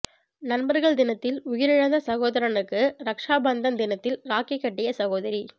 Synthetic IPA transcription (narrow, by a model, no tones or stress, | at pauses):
nɐnbɐɾɣɐɭd̪ɪnɐt̪ːɪlʊjɪɾɪɻɐðɐsɐɣoːðɐɾɐnɯkːɯɾɐkʂaːbɐnd̪ɐmd̪ɪnɐt̪ːɪlɾaːkɪkːɐʈːɪjɐsɐɣoːðɐɾi